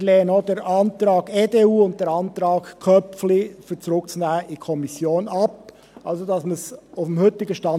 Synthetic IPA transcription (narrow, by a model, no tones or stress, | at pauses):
leːənod̥ɛɾʔɑnt̪ɾɑːɡeːdeuːʊnt̚d̥ɛːɾɑnt̪ɾɑːkkʰœpflɪfyt͡sɾʊkt͡sunæːəʔikʰɔmisjoːnɑp̚ | ʔɑ̰lsodɑsməsaʊfm̩hʏtɪɡəʃtɑ